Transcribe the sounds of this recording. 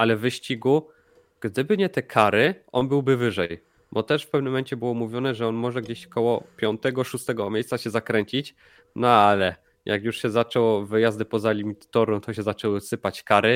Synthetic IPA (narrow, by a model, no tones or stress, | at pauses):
alɛvɘɕt͡ɕiɡu | ɡ̥d̪ɘbɘɲɛt̪ɛkʰaɾɘʔɔ̰nbɘwbɘvɘʐɛj | bɔt̪ɛʂfpɛvnɘmːɛɲt͡ɕɛbɘwɔmuvʲjɔnɛʐɛɔnmɔʐɛɡd͡ʑeɕkɔwɔpʲjɔnt̪ɛɡɔʂust̪ɛɡɔmʲjejssaɕɛzakɾɛɲt͡ɕit͡ɕ | nɔalɛ | jʔa̰kjuʂɕɛzat͡ʂɛwɔvɘjazd̪ɘpɔzalʲimʲit̪t̪ɔɾɔ̃wt̪ɔɕɛzat͡ʂɛwɘsɘpat͡ɕkaɾɘ